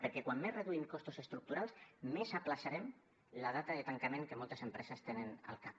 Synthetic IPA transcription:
pəɾkɛkwamːezreðuimkɔst̪usest̪ɾuk̚t̪uɾalˠsmesaplaʃaɾɛm | laðat̪aðet̪aŋkamẽŋkemɔlˠt̪əsempɾɛsəst̪enəna̰lˠkap

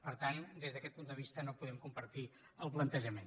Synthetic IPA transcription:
pəɾt̪and̪ezðəkɛt̪̚pund̪əβ̞ist̪ənopuðɛmkumpəɾt̪i | əlˠplənt̪əʒəmen

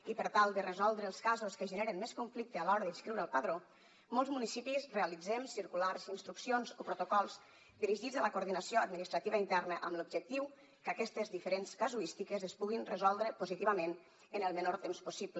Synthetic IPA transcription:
ipəɾt̪alˠd̪ərəzɔlˠd̪ɾəlˠskazuskəʒəneɾənmeskuɱflik̚t̪əalɔɾəðinskɾiwɾəlˠpəðɾo | molˠzmunisipizrealid͡zɛmsiɾkulaɾzinst̪ɾuksionzopɾut̪ukɔlˠz | d̪iɾiʒid͡zələkuɾðinəsioad̪minist̪ɾat̪iβəint̪ɛrnəʔəmlub̚d͡ʒək̚t̪iw | kəkɛst̪əzðifəɾenskazuist̪ikəzəspuɣinrəzɔlˠd̪ɾəpuzit̪iβəmen | ənəlˠmənoɾt̪emspusiblə

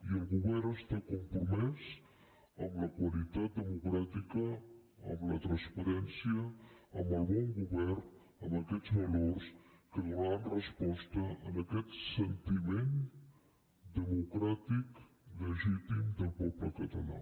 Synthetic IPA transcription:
iəlˠɣuβɛɾnəst̪akumpɾumɛz | əmləkwəlit̪at̪̚d̪əmukɾat̪ikə | ə̰mlət̪ɾənspəɾɛnsiəəməlˠβɔŋɡuβɛrn | əməkɛzβəlorskəðuɾanrəspɔst̪əənəkɛt̪sənt̪imen | d̪əmukɾat̪ik | ləʒit̪imd̪əlˠpɔpləkət̪əla̰

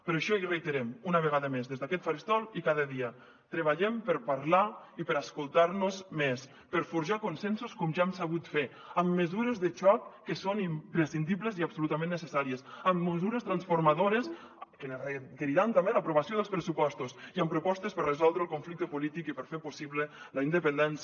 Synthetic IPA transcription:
pəɾɔeʃɔirejt̪eɾɛmunəβ̞əɣaðəmezðezðakɛt̪faɾist̪ɔlˠikaðəðiə | t̪ɾəβ̞aʎɛmpəɾpaɾlaipəɾaskulˠt̪aɾnuzmes | pəɾfuɾʒakunsɛnsuskɔmʒaemsaβut̪fe | əmːəzuɾezðət͡ʃɔkːəsonimpɾesind̪iβləziabsulut̪amẽnːəsesaɾiəsəmːəzuɾəst̪ɾansfuɾmaðoɾes | kənrekeɾiɾant̪ambeləpɾuβasioðəlˠspɾəsupɔst̪usiəmpɾupɔst̪espərrəzɔlˠd̪ɾəlˠkoɱflik̚t̪əpulit̪ikipəɾfepusiβlələind̪əpənd̪ɛns

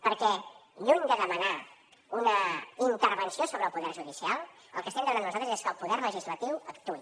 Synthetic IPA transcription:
pəɾkɛʎuɲd̪əðəməna | unəint̪əɾβənsiosoβɾəlˠpuðɛɾʒuðisialˠ | ə̰lˠkəstɛmd̪əmnanːuzalˠt̪ɾəzeskəlˠpuðɛɾrləʒizlət̪iwəkt̪u

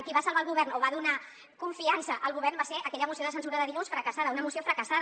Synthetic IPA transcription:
kiβasalˠβaəlˠɣuβɛrnoβaðuna | kuɱfiansəʔəlˠɣuβ̞ɛɾrnbaseʔəkɛʎəmusioðəsənsuɾəðəðilusfɾəkəsaðəunəmusiofɾəkəsað

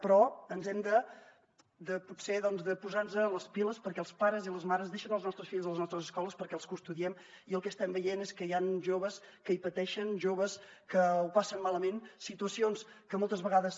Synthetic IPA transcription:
pɾɔənzɛmd̪ə | d̪əpuseðɔnzðəpuzanzəːləspiləspəɾkɛəlˠspaɾəziləzmaɾəzðeʃənəlˠznɔst̪ɾəsfiʎzðələznɔst̪ɾəzəskɔlˠəspəɾkɛəlˠskust̪uðiɛm | iəlˠkɛəst̪ɛmbəjeneskəjanʒoβəs | kəipət̪ɛʃənʒoβəskəupasənmaləmensit̪uəsionskəmɔlˠt̪əzβəɣaðəs

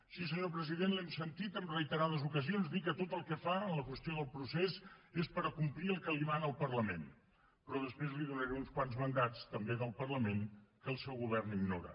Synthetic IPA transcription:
sis̬əɲopɾəziðenlɛmsənt̪it̪əmrəit̪əɾaðəzukəzionzd̪ikət̪ot̪əlˠkɛfaənləkwəst̪ioðəlˠpɾusezespəɾəkumpliəlˠkəlimanəlˠpərləmen | pɾɔðəspɾezliðunəɾeunskwanzmənd̪at͡st̪əmbeðəlˠpərləmeŋkəlˠsɛwɣuβ̞ɛrniɡnoɾə̰

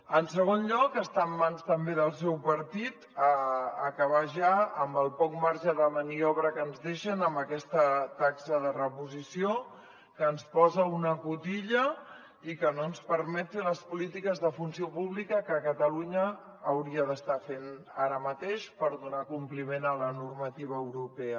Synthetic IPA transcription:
ənsəɣ̞onʎɔkəst̪amːanst̪əmbeðəlˠsɛwpəɾt̪it̪əəkəβaʒaəmbəlˠpɔk̚maɾʒəðəməniɔβɾəkənzðeʃənəmbəkɛst̪ət̪aksəðərəpuzisio | kəːnspɔzəunəkut̪iʎə | ikənoənspəɾmɛt̪iləspulit̪ikəzðəfunsiopuβlikəkəkət̪əluɲəː | wɾiəðəst̪afen | aɾəmət̪eʃpəɾðunakumplimenələnurmət̪iβ̞əːwɾupɛə

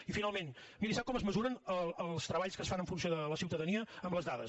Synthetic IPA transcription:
ifinalˠmenmiɾisap̚kɔməzməzuɾənəəlˠst̪ɾəβaʎskəsfanəɱfunsjoðələsiwt̪əðəniəəmləzðaðə̰s

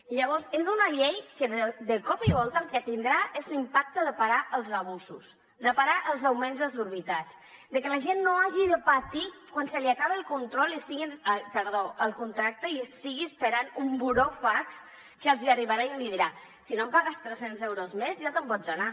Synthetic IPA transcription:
ʎəβɔɾzezunaʎejkəðəd̪əkɔpiβ̞ɔlˠt̪alˠkɛt̪ind̪ɾaʔezlimpak̚t̪əðəpaɣaʔəlˠzaβ̞uzus | d̪əpaɾaʔəlˠzawmenzðəzuɾβ̞it̪at͡ʃ | d̪əkəlaʒenːoaʒiðəpat̪ikwansəliakaβeəlˠkunt̪ɾɔliəst̪iɣinəpəɾðoəlˠkunt̪ɾak̚t̪əiəst̪iɣiəspəɾanumbuɾofaks | kəlˠziariβaɾaiəliðiɾa | sinompaɣəst̪ɾəsenzɛwɾozmezʒat̪əmpɔd͡zdona

